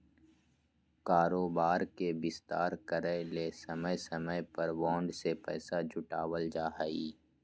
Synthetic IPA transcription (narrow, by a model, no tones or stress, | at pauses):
kaːɾoːbaːɾkebɪst̪a̰ːɾkəɾəleːsɐməjsɐməjpəɾʋɔ̃ːɳɖsepɛ̰ːsad͡ʒʱʊʈaːwəld͡ʒaːɦiː